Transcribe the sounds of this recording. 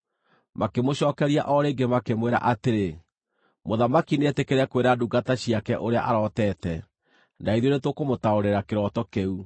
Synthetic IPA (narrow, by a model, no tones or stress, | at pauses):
makemoɕɔːkɛɾia̰ʔɔɾeːɡemakemweɾa̰ʔateɾe | moðamakineɛtekeɾɛkweɾaduɡataɕiakɛʔoɾea̰ʔaɾɔtɛtɛ | naiðjonetokomotaoɾeɾakeɾɔtɔkeu